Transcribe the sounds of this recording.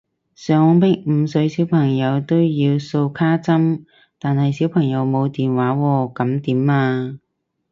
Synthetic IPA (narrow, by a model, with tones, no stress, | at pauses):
sœː˨˧˥ŋpɪ˥k̚m̩˨˧sɵ˨˧ɥsiː˨˥wpʰɐ˨˩ŋjɐ˨˧wt̪o˥wjiː˧wso˧wkʰaː˥t͡sɐ˥m | t̪aː˨nhɐ˨jsi˨˥wpʰɐ˨˩ŋjɐ˨˧wmo˨˧wt̪iː˨˩nwaː˨˥wɔː˧kɐ˨˧˥mt̪iː˨˥maː˧